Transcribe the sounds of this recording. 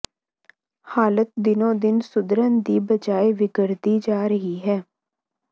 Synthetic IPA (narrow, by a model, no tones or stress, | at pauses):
haːlət̪̚d̪ɪnõːd̪ɪnsʊd̪ɾənd̪iːbəd͡ʒaːeʋɪɡəɾd̪iːd͡ʒaːɾəɦiːɦɛː